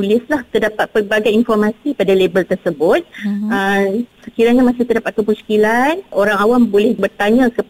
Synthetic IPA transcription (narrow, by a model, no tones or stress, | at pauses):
ulɪslaht̪ərdapat̪̚pəbaɡajinfɔrmãsipadalebəlt̪ərsəbʊt̪̚əsəkiɾaɲamasɪht̪ərdapat̪̚kupusi̥kilanoɾaŋawambolɛhbərt̪aɲãkə